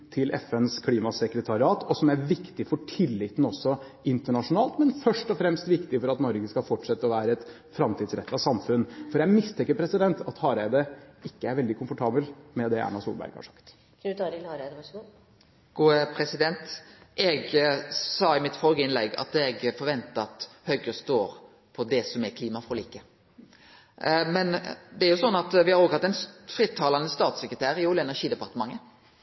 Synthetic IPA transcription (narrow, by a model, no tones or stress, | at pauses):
t̪ʰɪlʔɛ̰fɛnskʰliːmɑsɛkɾət̪ʰɑɾɪɑːt̪ʰɔsɔmæɾʋɪkt̪ɪfɔʈʰɪlːɪt̪n̩ɔsːɔ | ɪnt̪əɳɑʂʊnɑːlt̪mɛnfœʂʈɔfɾɛmst̪ʋɪkt̪ɪfɔɾɑt̪nɔɾɡəskɑlfɔʈʂɛt̪ːəɔʋæːɾəɛt̪ | fɾɑmt̪ʰiːd̪sɾɛt̪ːɑsɑmfʉnːfɔɾjæɪmɪst̪ʰɛŋkːəɾpʰɾɛsɪd̪ɛnt̪ɑt̪hɑːɾæɪd̪əɪkːəæɾʋɛld̪ɪkʰʊmfɔʈʰɑːbəlmɛd̪ɛæ̰nɳɑsṵlbæ̰ɾɡhɑ̰ʂɑ̥̰kt̪ | d̪t̪ʰɑɾɪlɑɾd̪ɑ | ɡ̥uːəpʰɾɛsɪd̪ɛnt̪ʔɛɡsɑːɪmɪt̪fɔlɡəɪnlɛɡːɑ̰t̪ɛɡfɔɾʋɛnt̪əɑt̪hœɡəst̪oːɾ | pʰɔd̪ɛsɔmækʰliːmɑfʁɔliːkə | mɛnd̪ɛæɾjʊsɔnːɑt̪ʋɪhɑɾoːɡɑt̪ːɛɪnfʁɪt̪ʰːɑːlɑnəst̪ɑːt̪səkɾət̪ʰæːɾɪuːləɛnæɾʂiːd̪ɛpɑʁt̪əmɑŋːə